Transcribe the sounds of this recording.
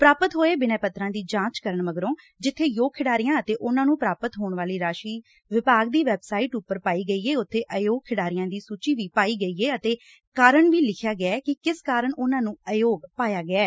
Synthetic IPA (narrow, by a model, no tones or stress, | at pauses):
pɾaːpət̪ɦoːeːbɪnɛːpət̪ɾãːd̪iːd͡ʒãːt͡ʃkəɾəɳməɡɾõː | d͡ʒɪt̪ʰːeːjoːɡ̚kʰɪɽaːɾɪjãːət̪eːʔʊnãːnũːpɾaːpət̪ɦoːɳʋaːliːɾaːʃiː | ʋɪpaːɡ̚d̪iːʋɛːbsaːiːʈʊpːəɾpaːiːɡəiːɛːʊt̪ʰːeːʔəjoːɡ̚kʰɪɽaːɾɪjãːd̪iːsuːt͡ʃiːʋiːpaːiːɡəiːɛːət̪eː | kaːɾəɳʋiːlɪkʰjaːɡɪaɛːkɪkɪskaːɾəɳʊnãːnũːəjoːɡpaːjaːɡɪaː